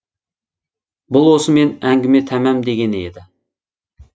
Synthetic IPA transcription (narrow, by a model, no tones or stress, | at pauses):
bʊlˠwosəmenæŋɡʲɪmet̪ʰæmæmd̪eɡʲenḛd̪ɪ